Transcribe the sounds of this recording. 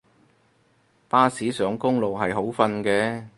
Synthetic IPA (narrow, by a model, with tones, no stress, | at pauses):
paː˥siː˨˥sœː˨˥ŋkʊ˥ŋlo˨wɦɐ˨jɦo˨˥wfɐ˧nkɛː˧